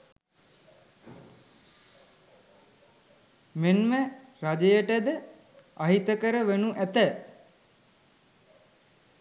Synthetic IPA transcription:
menməɾad͡ʒəjəʈəd̪ə | aɦit̪əkəɾəʋenuʔæt̪ə

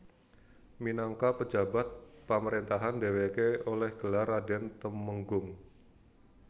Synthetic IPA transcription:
minaŋkapəd͡ʒabat̪̚paməɾent̪aɦandewekeolɛhɡ̥əlaɾadɛnt̪əməŋɡʊŋ

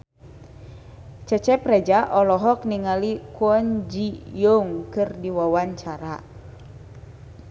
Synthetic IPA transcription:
t͡ʃɛt͡ʃɛpɾɛd͡ʒaʔɔlɔɦɔk̚niŋalikuɔɲd͡ʒijoŋkɨrdiwawaɲt͡ʃaɾa̰

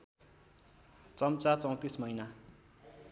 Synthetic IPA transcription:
t͡sʌmt͡sat͡sʌ̃w̃t̪ismʌina

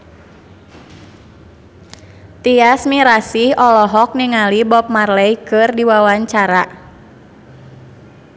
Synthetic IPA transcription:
t̪iasmiɾasihɔlɔɦɔk̚niŋalibɔp̚marlɛjkɨrdiwawaɲt͡ʃaɾa

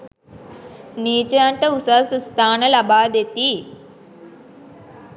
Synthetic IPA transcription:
niːt͡ʃɐjaːɳʈəusɐsst̪ʰaːnɐlɐbaːd̪et̪i

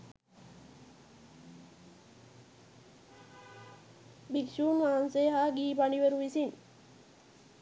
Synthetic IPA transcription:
bikʃuːmʋaːnseːɦaːɡiːpaniʋeɾuʋisin

